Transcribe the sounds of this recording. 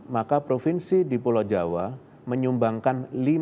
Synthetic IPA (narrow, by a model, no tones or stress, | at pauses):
makapɾofinsidipulɔd͡ʒawa | məɲumbaŋkanli